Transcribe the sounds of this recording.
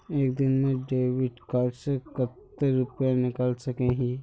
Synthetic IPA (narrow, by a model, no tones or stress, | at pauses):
eːkd̪ɪnmẽɖeːʋɪɖkaɾsekət̪ːeɾʊpjãnɪkəlsɐkeɦĩ